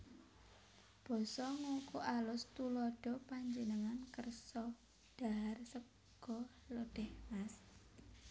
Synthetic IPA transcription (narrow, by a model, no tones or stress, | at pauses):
b̥ɔ̤sɔŋokuʔalʊst̪ulɔɖ̥ɔ̤paɲd͡ʒənəŋankərsɔ | ɖ̥a̤ɦarsə | ɡ̥ɔlɔd̥ɛhmas